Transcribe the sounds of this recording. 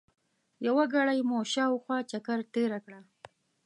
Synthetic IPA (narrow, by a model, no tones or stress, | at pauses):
jawaɡaɽajmoʃɑwxwɑt͡ʃakaɾt̪eɾakɽa